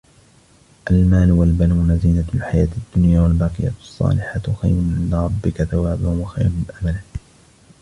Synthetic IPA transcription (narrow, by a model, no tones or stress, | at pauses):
ʔalmaːlwalbanuːnaziːnalħajaːt̪ad̪ːʊnjaːwalbaːqɨja̰sˤːɑ̰ːlɪħat̪xa̰jɾʊʔɪnːaɾˤɑbːɪkaθawaːbahʊmwaxa̰jɾʊmɪnʔamalɪ